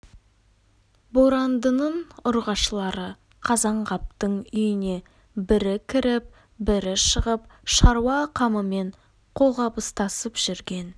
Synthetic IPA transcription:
bo̞ɾɑnd̪ənəɴʊɾʁɑʃəlˠɑɾə | qʰɑzɑɴʁɑp̚t̪əɴʏjɪne̞ | bɪɾɪkʲʰɪɾɪp̚ | bɪɾɪʃəʁəp̚ʃɑɾwɑqʰɑməme̞ɴ | qʰo̞ʁɑpəst̪ɑsəpʒ̥ɪɾɡʲe̞n

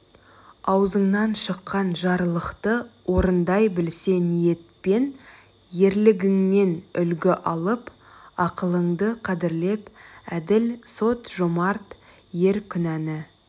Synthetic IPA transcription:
ɑwzəɴnɑnʃəqːɑnʒɑɾlˠəqt̪əwo̞ɾənd̪ɑjbɪlse̞nije̞t̪̚pe̞n | je̞ɾlɪɡʲɪŋne̞nʏlɡʲɪʔɑlˠəp | ɑqəlˠəɴd̪əqʰɑd̪ɪɾle̞pæd̪ɪlso̞t̪ʒ̥omɑɾt̪ | je̞ɾkʲʰʏnænɪ

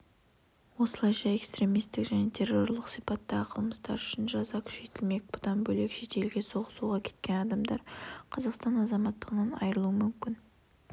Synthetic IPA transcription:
wo̞səlˠɑjʃɑe̞kst̪ɾe̞mijst̪ɪkʒæne̞t̪ʰe̞rːo̞ɾlˠəqsijpɑt̪ːɑʁəqʰəlˠməst̪ɑ̰ɾʏ̥ʃɪnʒɑzɑkʲʰʏ̥ʃe̞t̪ɪlme̞k̚bʊt̪ɑnbɵle̞kʃe̞t̪e̞lɡʲe̞so̞ʁəsuʁɑkʲʰe̞̥t̪kʲe̞nɑd̪ɑmd̪ɑɾqʰɑzɑqst̪ɑnɑzɑmɑt̪ːəʁənɑnɑ̰jɾəlˠuəmʏmkʲɪn

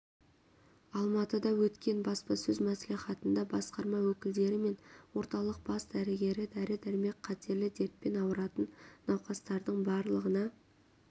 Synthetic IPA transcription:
ɑlˠmɑt̪əd̪ɑwɵt̪kʲe̞nbɑspɑsɵzmæsliχɑt̪ənd̪ɑbɑsqɑɾmɑwɵkʲɪld̪e̞ɾɪme̞nwo̞ɾt̪ɑlˠəq̚b̥ɑsd̪æɾɪɡʲe̞ɾɪd̪æɾɪd̪æɾɪme̞kqʰːɑt̪ʰe̞ɾlɪd̪e̞ɾt̪̚pe̞nɑwəɾɑt̪ənːɑwqɑst̪ɑɾd̪əɴbɑɾlˠəʁənɑ

